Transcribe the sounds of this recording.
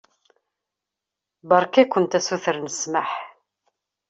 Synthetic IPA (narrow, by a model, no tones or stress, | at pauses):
bəɾˤkækʷːənt̪æsuθəɾnəsməħ